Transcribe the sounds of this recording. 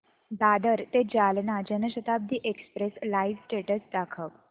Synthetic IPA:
d̪ad̪əɾt̪ed͡ʑalnad͡ʑənəɕət̪ab̚d̪ʱiːʔekspɾeslaiʋsʈeʈəsd̪akʰək

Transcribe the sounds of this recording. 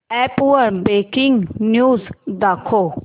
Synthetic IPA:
ɛːpuəɾbeːkɪŋɡnjuːzd̪aːkʰːoː

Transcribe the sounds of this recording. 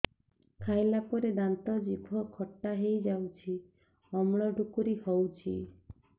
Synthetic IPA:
kʰajlapɔɾed̪ant̪ɔd͡ʒibʱɔkʰɔʈːaɦejd͡ʒawt͡ʃʰi | ɔmɽɭ̃ɔɖʱukuɾihɔwt͡ʃʰḭ

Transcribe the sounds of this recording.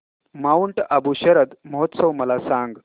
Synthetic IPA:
mauɳʈəbuɕəɾəd̪məɦot̪səwməlasaŋɡ

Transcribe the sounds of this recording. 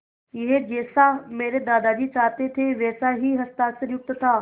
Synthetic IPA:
ɪɦed͡ʑeːsameːɾed̪aːd̪ad͡ʑiːt͡ʃaːt̪et̪ʰeʋɛːsaɦiɦɐst̪aːsəɾjʊk̚t̪ət̪ʰaː

